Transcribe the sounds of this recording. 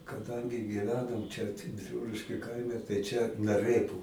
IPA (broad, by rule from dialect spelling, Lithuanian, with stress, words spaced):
kɐˈdɐŋʲɡʲɪ ɡʲiːˈʋʲæːnoːm ˈt͡ʃʲɛ bʲɪˈruːlʲɪʃʲkʲʊ ˈkɐɪmʲɛ tɐɪ t͡ʃʲɛ nɐˈrɘpʊ